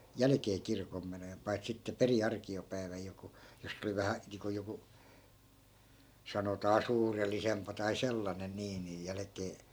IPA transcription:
jælæ̆keː kirkomːenojen pɑi̯t sitːe peri ɑrkiopæi̯ʋæj joku josː oli ʋæhæ niːŋko joku sɑnotɑː suːrelːisempɑ tɑi selːɑnen niː nij jælæ̆keː

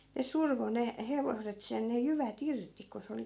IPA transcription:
ne surʋo ne heʋoset sen ne jyʋæt irti ko se oli

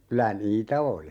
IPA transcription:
kylæ niːtæ oli

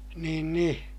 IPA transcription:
niːn ni

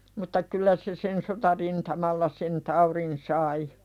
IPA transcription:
mutːɑ kylːæ se sen sotɑrintɑmɑlːɑ sen tɑuɾin sɑi

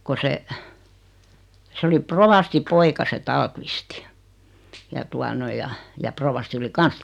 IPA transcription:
ko se se oli proʋɑsti poikɑ se tɑːlkʋisti jɑ tuɑ noi jɑ jɑ proʋɑsti oli kɑns

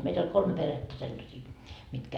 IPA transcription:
meit olʲ kolme peretːæ selːɑsiː mitkæ

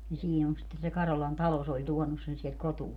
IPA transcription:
ni siːn on sitːen se kɑrolɑn tɑlo se olʲ tuɔnus sen siɛlt kotuɑː

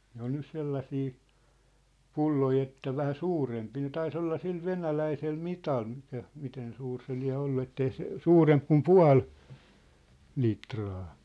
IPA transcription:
ne on nys selːɑsiː pulːoi etːæ ʋæhæ suːrempiː ne tɑis olːɑ sil ʋenælæisel mitɑl mikæ miten suːr se liæ̝ olːu etːei se suːremp kum puɑ̝l litrɑː

